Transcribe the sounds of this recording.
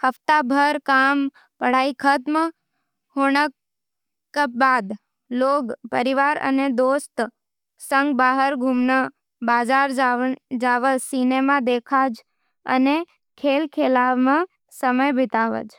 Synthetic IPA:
həft̪abʱəɾkam | pəɽ̤aikʰət̪mə | hoɳəkː | əp̚bad̪ | loɡpəɾiʋaɾə̰ned̪ost̪ | səŋɡbaɦəɾɡʱumnə | bad͡ʒaɾd͡ʒad͡ʒaʋəsinemad̪ekʰad͡ʒ | ə̰ne | kʰelkʰelaʋmã | səməjbʱɪt̪aʋə̰d͡ʒ

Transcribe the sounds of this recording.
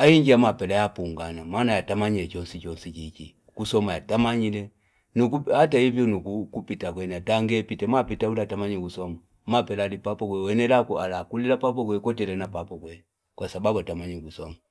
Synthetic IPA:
aiɲd͡ʒiamapɛlajapuŋɡanamanajatamaɲilɛt͡ʃɔnsit͡ʃɔnsit͡ʃiki | kusɔmajatamaɲilɛ | nukuhataivjɔnukukupitakwɛnataŋɡɛpitɛmapitaulatamaɲikusɔma | mapɛlalipapɔkwɛwɛnɛlakualakulilapap̬ɔk̬wɛkɔtɛlɛnapapɔkwɛ | kwasababuatamaɲikusɔma

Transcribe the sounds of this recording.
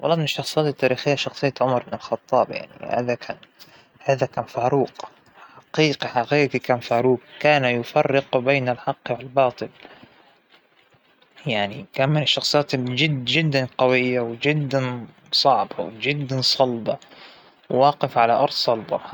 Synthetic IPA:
wʔɑ̰lˤːɑːmɪnɪʃːɑxsˤɨjaːt̪ɪt̪ːaːɾiːxɪjːaʃɑxsˤɨjːat̪ʕʊmɑɾˤbɪnɪlxɑt̪ˤːɑːbja̰ʕnḭha̰ːðakʰa̰ːn | haːðakaːnfaːɾuːq | ħaqiːqiħaqiːqikaːnfaːɾuːqkaːnajʊfɑrːɪqbeːnalħɑqːwɪlbɑːt̪ˤɨl | jaʕnikanmɪnɪʃːɑxsˤɨjaːt̪d͡ʒɪd̪ːd͡ʒɪd̪ːanqɑwɪjːawd͡ʒɪd̪ːan | sˤɑʕba̰wd͡ʒɪd̪ːansˤɑlbɑ | wwɑːqɪfʕalaʔɑɾˤd̪sˤɑlbɑ̰

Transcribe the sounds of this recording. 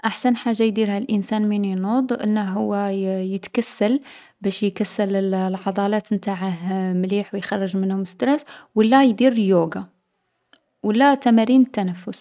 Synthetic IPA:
ʔaħsænħaʒːajd̪iɾhælʔənsænminjnud̪ˤʔə̰nːəɦʊwːæjət̪kæsːæl | bæʃjkæsːələlʕɑd̪ˤɑlæt̪mt̪aʕəhmliħwjxɑrˤːəʒmənhʊməst̪ɾæswəlːæjd̪iɾljuɡa | wəlːæt̪æmæɾinət̪ːænæfːʊs

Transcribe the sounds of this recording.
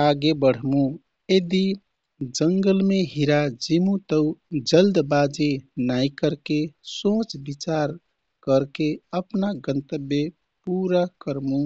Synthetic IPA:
aɡebəɽ̤mũ | ed̪i | d͡ʒəŋɡəlmeɦiɾad͡ʒimũt̪əwd͡ʒəld̪bad͡ʒenajkəɾkesõt͡ʃbit͡ʃaɾ | kəɾkeəpnaɡənt̪əbje | puɾakəɾmũ

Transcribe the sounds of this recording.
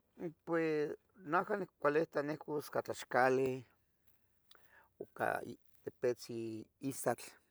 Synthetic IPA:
pwes | nakanikkʷaleht̪anekoskat͡ɬaʃkale | oka̰ | t̪epet͡siisat͡ɬ

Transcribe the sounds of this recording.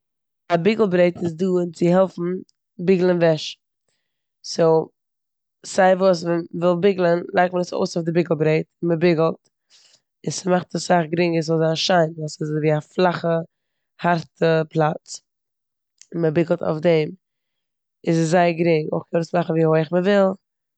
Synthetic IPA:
abɪɡl̩ˠbɾeɪtɪs̬duːɪnt͡sɪhɛlˠfn̩ | bɪɡl̩ˠənvɛʃ | soʊ | z̥aɪvuːs̬vɛnvɪlˠbɪɡlˠənlˠaɪk̚t̚məɾəso̰ʊsaʊfdɪbɪɡl̩ˠbɾeɪtɪnməbɪɡl̩ˠt | ɪsmaχtəssaχɡɾɪŋəs̬zɔlˠzaəʃaɪnasɪsviːaflˠaχə | haɾtʰəplˠat͡s | ɪnməbɪɡl̩ˠta̰ʊfdɛm | ɪzszaɪəɡɾɪŋo̰ʊχkʰɛnədʊsmaχn̩viːhoɪχməvɪlˠ

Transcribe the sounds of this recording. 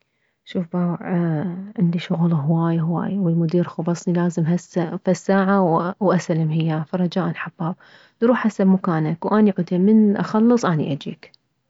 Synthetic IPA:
ʃuːfbaːwʕʕɪnd̪iʃʊɣlɦwaːjaɦwa̰ːjawɪlmʊd̪iːɾxʊbɑsˤnilaːzɪmɦasafasːaːʕawwʔasalamɦɪjːafaɾˤɑd͡ʒaːʔanħabːaːb̚ | lɾuːħʔasabmʊkaːnakwʔaːniʕʊd̪jamɪnʔa̰xɑlːɨsˤʔaːnḭʔad͡ʒḭːk

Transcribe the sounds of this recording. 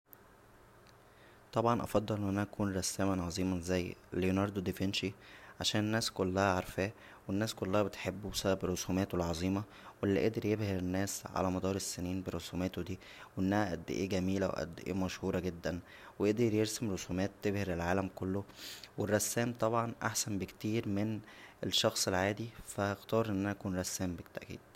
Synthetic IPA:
t̪ˤɑbʕɑnʔɑ̰fɑd̪ˤːɑlʔenːʔænæʔækʰuːnɾˤɑsːæːmænʕɑzˤiːmɑzæjːlinɑɾˤd̪od̪efenʃiʕaʃæːnenːæːskolːæhæʕɑɾˤfæː | wenːæːskolːæhæbet̪ħebːusæbæbɾosuːmæːt̪welʕɑzˤiːmɑ | welːiʔed̪eɾjebheɾenːæːsʕa̰læmɑd̪ɑːɾˤesːeniːnbeɾˤosumæːt̪od̪iː | wʔenːæhæʔæ̰d̪ːḛʔeːɡæmiːlæwḛʔæ̰d̪ːeʔḛːmæʃhuːɾˤɑɡed̪ːæn | weʔeʔd̪eɾjeɾsemɾosuːmæːt̪̚ːebheɾelʕaːlæmkolːowerˤːɑsːæːmt̪ˤɑbʕɑnʔa̰ħsænbekt̪iːɾmeneʃːɑxsˤelʕaːd̪ifææxt̪ɑːɾˤʔenːʔænæʔkuːnɾˤɑsːæːmbet̪ːæʔkḭːd̪̥

